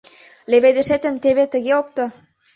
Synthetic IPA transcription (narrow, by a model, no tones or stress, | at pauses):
leβed̪ĕʃet̪ə̆mt̪eβet̪ə̆ɣeop̚t̪ɤ̆